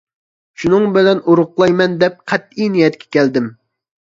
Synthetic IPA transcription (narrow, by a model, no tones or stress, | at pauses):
ʃunɨŋbɪlɛnuɾʊqlˠɑjmɛnd̪ɛp̚qʰɛt̪̚inijɛt̪kʲʰɛ̥kʲɛld̪ɪm